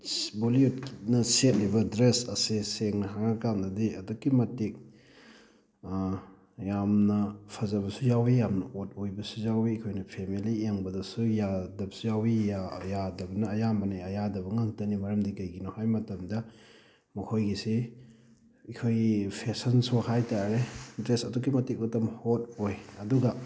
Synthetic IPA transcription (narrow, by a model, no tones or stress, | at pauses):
boliutknɐset̚libɐdɾesɐseseŋnɐɦaŋakamdɐdiɐdukːimɐtik̚ | jamnɐpʰɐzɐβɐsujawijamnɐot̚ojbɐsuzawiɐkʰojnɐpʰemilieŋbɐdɐsujadɐbɐsujawijajadɐbɐnɐːjambɐniɐjadɐbɐŋaŋtɐnimɐɾɐmdikɐjɡinohajmɐtɐmdɐ | mɐkʰojɡisi | ikʰojpʰesɐnsuhajtaɾetɾesɐdukːimɐtik̚mɐtɐmhot̚ojɐduɡɐ